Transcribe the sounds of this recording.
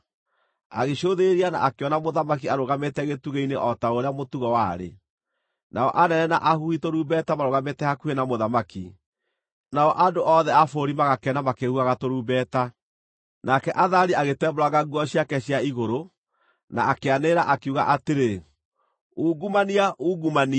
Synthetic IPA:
aɣeʃoðeɾiana̰ʔakeɔnamoðamak̬iaɾoɣametɛɣetuɣeineʔɔtaoɾeamotuɣɔwaɾḛ | naɔʔanɛnɛna̰ʔahuhitoɾuːbɛtamaɾoɣametɛhakuhenamoðamaki | naɔʔandoʔɔðɛafoɾimaɣakɛnamakehuaɣatoɾuːbɛta | nakɛʔaðaɾiaɣetɛmboɾwaɣaɡuɔɕjakɛɕjaiɣoɾo | na̰akeaneɾaʔakeuɣa̰ʔateɾe | uːɡumaniaʔuːɡumani

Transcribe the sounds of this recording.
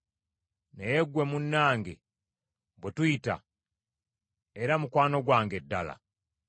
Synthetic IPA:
nejeɡwe̞munːaːŋɡe | bwetuita̰ | eɾamukwaːno̞ɡwaːŋɡe̞dːala̰

